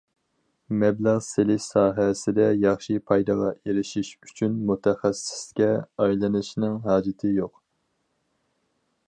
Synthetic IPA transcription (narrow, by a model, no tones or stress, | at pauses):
mɛblæʁselɪʃsɑːɦɛsɪd̪ɛjɑχʃipʰɑjd̪ɑʁɑeɾɪʃiʃyt͡ʃʰynmut̪ʰɛχæsɪ̥skʲɛɑjlˠɨnɨʃnɪŋɦɑːd͡ʒɪt̪ʰɪjoq